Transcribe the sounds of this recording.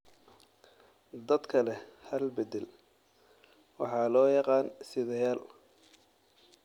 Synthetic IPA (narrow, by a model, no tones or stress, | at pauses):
d̪ɐd̪kʰɐlɛhɐlbɛd̪ɛl | wɑħɑːlɔːjɑqɑːnsɪðɐjaːl